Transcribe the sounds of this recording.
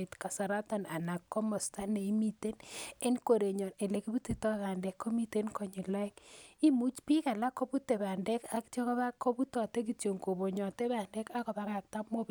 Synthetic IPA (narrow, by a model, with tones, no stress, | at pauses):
e˨tka˨sa˨ɾa˦tɔ˨na˨na˨kːɔ˦mɔ˨sta˦ne˨i˦mi˦te˦ne˦nko˨ɾe˨ɲɔ˨ne˨le˨ki˦bu˦ti˨tɔ˦βa˨ndɛ˨kʰːo˦mi˦te˦nkɔ˨ɲi˨la˦ɪ˦ki˦mu˦t͡ʃpi˦ka˨la˦kːo˦bu˦te˨ba˨ndɛ˦ka˦ktjɔ˦kɔ˦βa˦kːo˦bu˦tɔ˨te˦k̬i˨tjo˨ŋko˨bo˨ɲɔ˨te˦βa˨ndɛ˦ka˦kɔ˨ba˦ka˨k̚ta˦mo˦b